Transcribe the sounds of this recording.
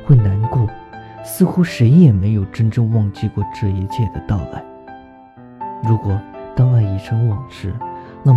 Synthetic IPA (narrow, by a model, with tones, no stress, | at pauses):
xwe˥˩ɪna˧˥nkwɔ˥˩sɹ̩˥˧xu˥ʂe˧˥ɪjɛ˨˩me˧˥ɪjo˨˩ʊʈ͡ʂə˥nʈ͡ʂɤ˥˧ŋwɑ˥˧ŋt͡ɕi˥˧kwɔ˥˧ʈ͡ʂɻ̩˥˩i˧˥t͡ɕʰjɛ˥˩d̪ə˩t̪ɑ˥˧ʊa̰˥˩ɪ | ɻu˧˥kwɔ˨˩t̪ɑ˥˧ʊa˥˩ɪi˨˩ʈ͡ʂʰɤ˧˥ŋwɑ˨˩ŋʂɻ̩˥na˥˩